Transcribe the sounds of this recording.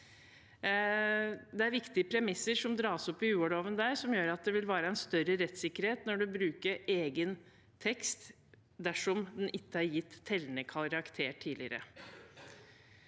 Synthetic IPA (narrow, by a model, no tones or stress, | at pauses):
d̪ɛæɾʋɪkt̪ɪəpʰɾɛmɪsːəɾʂɔmd̪ɾɑːsɔpːɪʉːəloːʋənd̪æːɾʂɔmjøːɾɑt̪̚d̪ɛʋɪlʋæːɾəæɛnst̪œɾəɾɛt̪sɪkːəɾheːt̪nɔɖʉbɾʉːkəɾeːɡən | t̪ʰɛkst̪ | d̪æʂɔmd̪ɛnʔɪt̪ːəæɾjɪt̪ːʰɛlːənəkʰɑɾɑkt̪ʰeːʈʰiːlɪəɾə̰